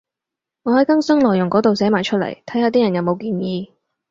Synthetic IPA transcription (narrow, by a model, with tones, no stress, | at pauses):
ŋɔː˨˧hɐ˨˥jkɐ˥ŋsɐ˥ŋlɔː˨˩jʊ˨˩ŋkɔː˨˥t̪o˨wsɛː˨˥maː˨jt͡ʃʰɵ˥t̚lɐ̰˨˩jt̪ʰɐ˨˥jhaː˨˧t̪iː˥jɐ˨˩njɐ˨˧wmo˨˧wkiː˧njiː˨˧